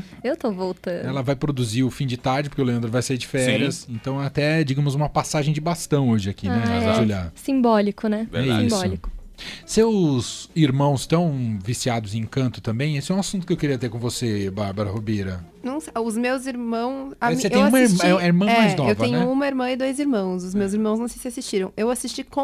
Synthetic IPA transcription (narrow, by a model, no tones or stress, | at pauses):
ewt̪ovowt̪ɐ̃ɛlɐvajpɾod̪uziʊfĩd͡ʒɪt̪aɾd͡ʒɪpoɾkeʊleɐ̃nd̪ɾvajsaiɾd͡ʒɪfɛɾiɐsẽnt̪ɐ̃w̃ɛat̪ɛd͡ʒiɡɐ̃mʊzũmɐpasaʒẽj̃d͡ʒɪbast̪ɐ̃w̃oʒɪakinɛd͡ʒɪoʎasĩbɔlikʊnɛɛibɔlikʊ̥sewziɾmɐ̃w̃st̪ɐ̃w̃visiad̪ʊzẽkɐ̃nt̪ʊ̥t̪ɐ̃mbẽj̃esɪɛũw̃asũnt̪ʊkɪewkɪɾiɐt̪eɾkõvosebaɾbɐɾɐhobeɾɐ | nɐ̃w̃seʊzmewziɾmɐ̃w̃sasetẽj̃ũmɐiɾm̃ɛiɾmɐ̃mɛajznɔewtvɐẽɲɛʊũmɐiɾmɐ̃ɪd̪ojziɾmɐ̃w̃sʊzmewziɾmɐ̃w̃znɐ̃sejsɪasist͡ʃiɾɐ̃w̃ewasist͡ʃikõ